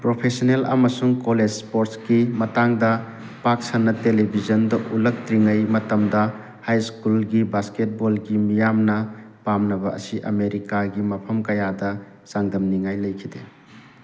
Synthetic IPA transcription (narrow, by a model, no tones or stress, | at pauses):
pɾopʰesonelɐ̰mɐsuŋkoled͡ʒspoɾtsɡimɐtaŋdɐ | pak̚sanːɐtelebʱizɐndɐʔulɐk̚tɾiŋɐjmɐtɐmdɐ | hajskulɡibasket̚bolɡimijamnɐpamnɐbɐɐ̰siʔɐ̰meɾikaɡimɐpʰɐmkɐjadɐ | saŋdɐmniŋajlɐjkʰide